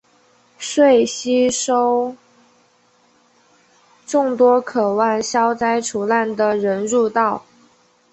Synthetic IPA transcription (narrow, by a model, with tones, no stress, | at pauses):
ʂwe˥˩ɪɕi˥ʂo˥ʊ | ʈ͡ʂʊ˥˩ŋt̪wɔ˥kʰɤ˨˩wa˥˩nɕjɑ˥ʊt͡sa˥ɪʈ͡ʂʰu˧˥la˥˩nd̪ə˩ɻə˧˥nɻu˥˧t̪ɑ˥˩ʊ